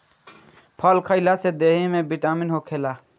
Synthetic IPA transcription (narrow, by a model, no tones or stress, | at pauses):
pʰəlkʰəɪlased̪eɦimebiʈaminɦokʰela